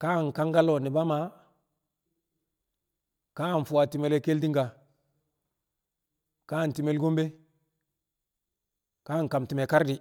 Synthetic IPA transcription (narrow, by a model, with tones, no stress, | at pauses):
ka˦˨ŋ˨ka˦ŋɡa˦lo˨ni˨ba˦ma˨ | ka˦˨n˨fu˨a˨ti˨me˨le˦ke˦ldi˦ŋɡa˨ | ka˦˨n˨ti˨me˨lɡo˦mbe˦ | ka˦˨ŋ˨ka˨mti˨me˨ka˦ɾdi˨